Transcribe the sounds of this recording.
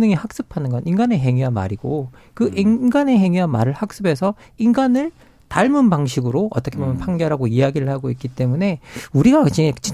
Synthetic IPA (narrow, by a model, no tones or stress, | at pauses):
nɯŋihak̚s͈ɯpʰanɯnɡʌninɡane̞ɦe̞ŋiwama̰ɾiɡ̥o | kɯʔinɡane̞ɦe̞ŋiwama̰ɾɯɭhak̚s͈ɯbe̞sʰʌ | inɡanɯɭ | taɭmɯnbaŋɕʰiɡɯɾoʌt͈ʌkʰebomjʌnpʰaŋɡjʌɾɦaɡoiaɡiɾɯɭhaɡoik͈it͈e̞mune̞uɾiɡat͡ɕit͡ɕi